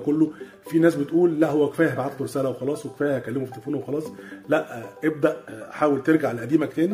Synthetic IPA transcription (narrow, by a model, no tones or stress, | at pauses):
kolːo | finæːsbet̪ʔuːlːæʔhowːæke̥fæːjæhbaʕat̪luɾesæːlæwexɑlɑːsˤweke̥fæːjæhækːælːemofit̪elefoːnwexɑlɑːsˤlæʔʔeb̚d̪æʔħaːwelt̪eɾɡaʕelʔæd̪iːmækt̪eːn